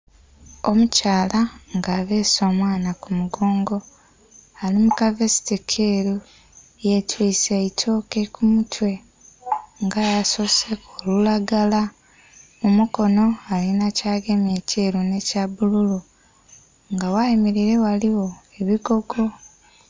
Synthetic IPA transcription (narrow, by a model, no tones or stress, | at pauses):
o̞mucaːlaŋɡaːβe̞ːso̞ːmwaːnakumuɡo̞ːŋɡo̞ | alimukavesi̥tikʰeɾu | jetwiːseitʰo̞ːke̞kumutʰwe̞ | ŋɡajaso̞sekʰoːlulaɡala | mumuko̞no̞alinacaːɡe̞mje̞ceːɾune̞cabululu | ŋɡawaimiɾiɾe̞waliwo̞ | e̞βiɡo̞ɡo̞